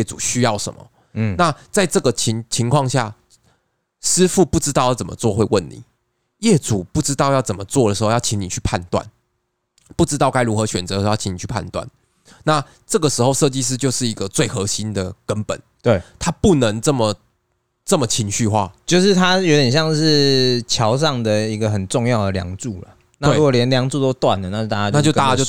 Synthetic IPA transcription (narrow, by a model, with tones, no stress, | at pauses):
ɛ˥˩ʈ͡ʂṵ˨˩ɕy˥jɑ˥˩ʊʂə̰˨˦mə̰˨˩˥ | na˥˨t͡sa˥˧ɪʈ͡ʂɤ˥˩ɡə˩t͡ɕʰi˨˧˥ŋt͡ɕʰi˧˥ŋkʰwɑ˥˧ŋɕja̰˥˩ | ʂɻ̩˥fu˥˧pu˥˩ʈ͡ʂɻ̩˥t̪ɑ˥˧jɑ˥˩t͡sə˨˩mə̰˦t͡swɔ˥˨xwe˥˧ɪwə˥˩nnḭ˨˩˦ | jɛ˥˩t͡su˨˩pu˥˩ʈ͡ʂɻ̩˥t̪ɑ˥˧ʊjʊt͡sə˨˩nmə˩t͡swɔ˥˩də˨˩ʂɻ̩˧˥xo˥˧jɑ˥˧ʊt͡ɕʰi˧˦ŋni˨˩t͡ɕʰy˥˧pʰa˥˧nt̪wa̰˨˩n | pu˥˩ʈ͡ʂɻ̩˥t̪ɑ˥˩ʊka˥ɪɻu˧˥xɤ˧˦ɕɥɛ˨˩nt͡sɤ˧˦˧i˧˦ŋni˨˩t͡ɕʰy˥˩pʰa̰˥˧nt̪wa̰˥˩n | na˥˩ | ʈ͡ʂɤ˥˩ɡə˩ʂɻ̩˧˥xo˥˧ʊʂɤ˥˧t͡ɕi˥˧ʂ̬ɻ̩˥˧t͡ɕjo˥˧ʊʂɻ̩˥˩i˧˦˥ɡə˨t͡swe˥˩ɪxɤ˧˥ɕi˦˥nd̪ə˨kə˦npə̰˨˩˦ne˩t̪ʰa˦pu˥˩nə˧˦ŋʈ͡ʂə˥˩mə˨˩ | ʈ͡ʂə˥˩mə˩t͡ɕʰi˧˥ŋɕy˥˧xwa̰˥˩t͡ɕjo˥˧ʊʂɻ̩˥˩t̪ʰa˦jo˧˥t̪jɛ˨nɕjɑ˥˧ŋʂɻ̩˥˩t͡ɕʰjɑ˨˧˥ʊʂ̬ɑ˥˩ŋd̪ə˩i˧˦ɡə˨xə˨˩nʈ͡ʂʊ˥˧ŋjɑ˥˩ʊd̪ə˨˩ljɑ̰˧˥ŋt͡su˥˩lə̰˩ | na˥weɻu˦˥ko˨˩ljɛ˧˦nljɑ˧˦ŋʈ͡ʂu˥˧˩t̪o˥ʊt̪wa˥˨nlə˩na˥˧t͡ɕt̪a˥˩t͡ɕa˧˥na˥t͡ɕjo˧ʊa˥˧˨t͡ɕa˥t͡ɕjo˥˧